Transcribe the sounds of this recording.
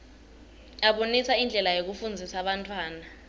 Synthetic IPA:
aɓonisaind͡ɮʱɛlajok̬ufund͡zʱisaɓantʰʼwaːna

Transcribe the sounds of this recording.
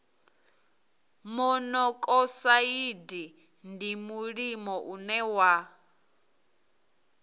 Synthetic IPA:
mɔnɔkʼɔsaidi | ndimuɺimɔʔunɛwa

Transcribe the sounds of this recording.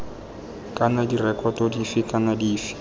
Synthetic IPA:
kʼanadirɛkʼɔtɔdifɪkʼanadiːfɪ̥

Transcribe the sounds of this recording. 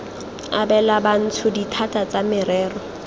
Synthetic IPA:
abɛlaban̩tʰʊditʰatʼat͡samɪɾɛːrɔ

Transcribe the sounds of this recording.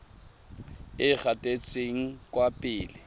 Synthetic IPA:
ɪk͡xatʼet͡sʼeŋ̩kʼwapʼɪːlɪ

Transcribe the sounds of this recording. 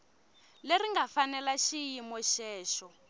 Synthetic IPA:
leriŋɡafanɛlaʃijimɔʃɛːʃɔ

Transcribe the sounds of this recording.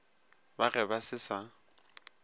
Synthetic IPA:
barɛbasɪsa

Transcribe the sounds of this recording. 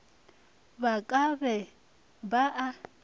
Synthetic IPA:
bakʼaβɛ | baʔa

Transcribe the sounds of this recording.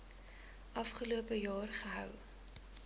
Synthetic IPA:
ʔɐfχəluəpəjɑːrχəɦœ̰w

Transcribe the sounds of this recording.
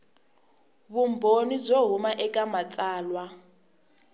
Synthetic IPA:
βumbʱonid͡zoɦumaʔɛkʼamatʼaːlwa

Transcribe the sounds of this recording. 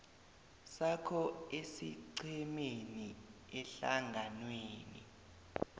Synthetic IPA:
sakʰɔesiǀɛmeni | ɛɬa̰ŋɡʱanweːnḭ

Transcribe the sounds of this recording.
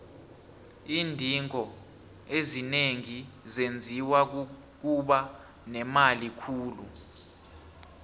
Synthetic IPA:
iːndʱiŋɔ | ezineŋizend͡zʱiwa | k̬uɓa | nɛmalikʰuːlṵ

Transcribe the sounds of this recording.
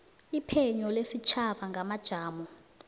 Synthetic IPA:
ipʰɛɲɔlesit͡ʃʰaɓaŋɡʱamad̥ʒ̥ʱaːmɔ

